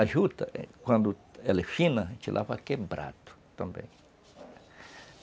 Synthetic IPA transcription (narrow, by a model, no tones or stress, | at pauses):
aʒut̪akʷãnd̪oelefinãt͡ʃelʔa̰βakebɾa̰t̪o̥t̪ãmbjḛ̃ŋ